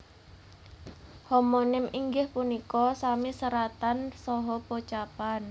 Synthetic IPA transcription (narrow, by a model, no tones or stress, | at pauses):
homonɪmiŋɡɪhpunikɔsamisəɾat̪ansɔɦɔpot͡ʃapan